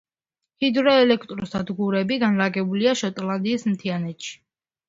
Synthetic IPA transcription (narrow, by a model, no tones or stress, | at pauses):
hid̪ɾɔɛlɛkʰt̪ʼɾɔsd̪ad̪ɡuɾɛbiɡanɾaɡɛbuliaʃɔt̪ʼlˠand̪iːsm̩t̪ʰianɛt̪ʃi̥